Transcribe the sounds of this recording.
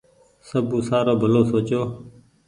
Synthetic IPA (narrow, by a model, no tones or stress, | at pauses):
səbʱũːsaːɾoːbʱəloːsoːt͡ʃoː